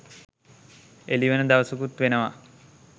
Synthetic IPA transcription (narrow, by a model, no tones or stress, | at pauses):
eliʋənəd̪aʋəsukut̪ʋenəʋa